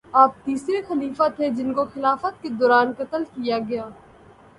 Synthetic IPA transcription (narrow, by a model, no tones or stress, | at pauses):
aːp̚t̪iːsɾexɐliːfat̪ʰed͡ʒɪnkoxɪlaːfət̪̚ked̪ɔːɾaːnkɐt̪əlkijaɡɐjaː